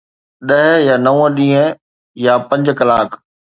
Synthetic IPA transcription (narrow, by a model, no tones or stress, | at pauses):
ɗɐɦjaːnɐũə̃ɗĩːɦə̃ | japɐ̃ɲd͡ʑkɐlaːkʰ